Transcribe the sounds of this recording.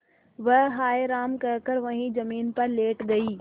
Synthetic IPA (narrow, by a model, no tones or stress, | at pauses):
ʋɐɦaːeɾaːmkɐːkəɾʋɐ̃ɦĩzɐmiːnpɐɾleːʈɡɐiː